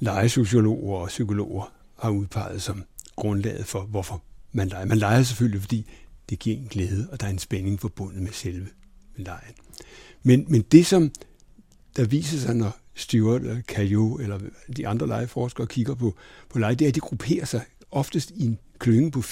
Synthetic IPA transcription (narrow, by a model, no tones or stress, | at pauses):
lɑ̈ɪəso̝ɕo̝lo̝̰ːɐɒ̽sykʰo̝lo̝̰ːɐ | hɑ̈uð̞ˠpʰɑ̈ɪð̞̩ˠsɒ̽mɡ̥ʁɔ̽nlɛ̰ːð̞̩ˠfɒ̽ʋɒfɒ̽mænlɑ̈ɪɐmænlɑ̈ɪɐs̬efølifɒ̽d̥ḭːd̥e̝ɡ̥ḭɐ̰en̩ɡ̥lɛːð̞ˠəɒ̽d̥ɑ̈æɐe̝nsb̥ene̝ŋfɒ̽b̥ɔ̽n̰ð̩ˠmeselʋə | lɑ̈ɪn | menmend̥e̝sɒ̽m | d̥ɑ̈ʋḭːsɐsɑ̈ɪnɒsd̥yɐdkʰæjoelɐd̥iʔɑ̈nd̥ʁɐlɑ̈ɪəfɒːsɡ̥ɐːkʰiɡ̥ɐpʰɒ̽pʰɒ̽lɑ̈ɪd̥eæɐd̥iɡ̥ʁupʰe̝̰ːɐsɑ̈ɪ | ɒ̽fd̥əsd̥ien | kʰløŋ̩pʰɒ̽